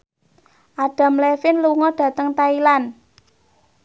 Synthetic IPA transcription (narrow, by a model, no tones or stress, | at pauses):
ʔaɖ̥a̤mlɛfɪnluŋɔɖ̥ä̤t̪əŋt̪ailan